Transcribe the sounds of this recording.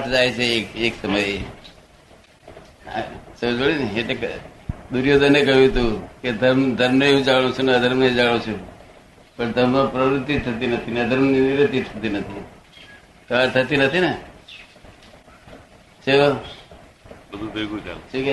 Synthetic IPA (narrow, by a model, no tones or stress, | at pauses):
aʈd͡ʒajt͡ʃʰekːksəməje | t͡ʃed͡ʒoɽineʈekd̪uɾjod̪ənekəjũt̪ũked̪ʱəɾmd̪ʱəɾmneɦũd͡ʒaɽ̃ũt͡ʃʰunəd̪ʱəɾmneed͡ʒaɽ̃ũt͡ʃʰũ | pəɳd̪ʱəɾmapɾəʋɾɪt̪ːit̪ʰət̪̬inət̪ʰined̪ʱəɾmninɪɾət̪ːit̪ʰət̪inət̪ʰi | t̪əat̪ʰət̪inət̪ʰine | t͡ʃe | bəd̪ʱubeɡũt͡ʃa̰lt͡ʃuk